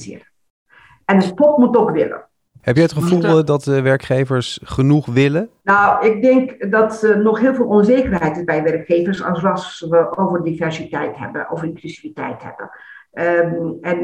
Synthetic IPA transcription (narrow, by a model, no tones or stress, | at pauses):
zɪ̰ərə | ɛnəspɔtmutːɔxʋɪ̰lə̰ | ɦɛpjɛətχəvulˠdɑtʋɛɹkχejvəɹsχənuχʋɪlənawɪk̚dɪŋkdɑtnɔxɦɪːlˠvɪːlˠʔɔnzeːkərɦɛjtɪsbɛjʋɛrkxeːvərsɑ̰sɑsʋəʔowvərdivɛɹsitɛjtɦɛ̰bə̰ʔo̰wvərɪŋklysivitɛ̰jtɦɛ̰bə̰ | ɛn